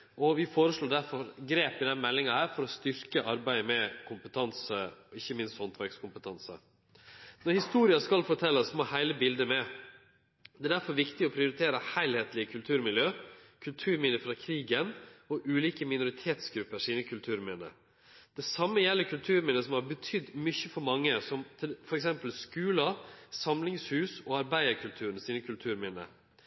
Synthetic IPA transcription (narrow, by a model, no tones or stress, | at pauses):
ɔʋɪfoːɾəsʂɭoːɖæɾfɔɾɡɾeːpɪd̪ɛnmɛlːɪŋɑhæːɾfɔɾɔst̪ʏɾkəʔɑɾbæɪəmɛkʰʊmpət̪ʰɑnsəɔɪçːəmɪnst̪hɔnt̪ʰʋæɾɡskʊmpət̪ʰɑnsə̰ | nɔɾhɪst̪uːɾɪɑskɑlfɔʈʰɛlːəsmohæɪləbɪld̪əmɛ | d̪ɛæɖæɾfɔɾʋɪkt̪ɪɔpʰɾɪʊɾɪt̪ʰeːɾəhæɪlheːt̪lɪəkʰʉlt̪ʰʉːɾmɪljøːkʰʉlt̪ʰʉːɾmɪnəfɾɑkʰɾiːɡənɔʔʉːliːkəmɪnʊɾɪt̪ʰeːt̪sɡɾʉpːəʂiːnəkʰʉlt̪ʰʉːɾmɪnə̰ | d̪̥ɛsɑmːəjɛlːəkʰʉlt̪ʰʉːɾmɪnəsɔmhɑɾbət̪ʰʏd̪mʏçəfɔɾmɑŋːəsɔmt̪ʰɪfɔɾɛks̬ɛmpəlskʉːləsɑmlɪŋshʉːsɔɑɾbæɪəɾkʰʉlt̪ʰʉːɾən̩siːnəkʰʉlt̪ʰʉːɾmɪnə̰